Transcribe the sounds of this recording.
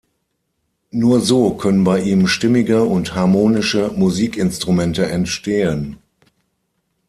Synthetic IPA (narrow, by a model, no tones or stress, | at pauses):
nuːɐzoːkʰœnənbaɪʔiːmʃtɪmɪɡəʊnthaɐmoːnɪʃəmuziːkɪnstʁ̥umɛntəʔɛntʃteːən